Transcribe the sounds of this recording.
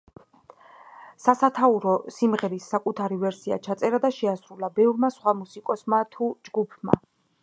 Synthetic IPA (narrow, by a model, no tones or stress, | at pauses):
sasat̪ʰauɾɔsimʁɛɾisːakʼut̪ʰaɾivɛɾsia̰t͡ʃʰat̪sʼɛɾad̪aʃɛasɾulˠabɛvɾmasχwamusikʼɔsmat̪ʰud͡ʒɡupʰma̰